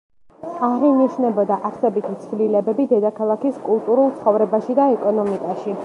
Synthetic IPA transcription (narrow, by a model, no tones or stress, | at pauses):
aʁiniʃnɛbɔd̪aʔaɾsɛbit̪ʰit̪sʰvlilɛbɛbid̪ɛd̪akʰalˠakiskʼulˠt̪ʼuɾulˠt̪sʰχɔvɾɛbaʃid̪aɛkʼɔnɔmikʼaʃi